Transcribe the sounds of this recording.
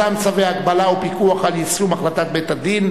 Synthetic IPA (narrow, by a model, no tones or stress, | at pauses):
amt͡saveaːɡbalaupikuaχalisumaχlat̪at̪bet̪ad̪in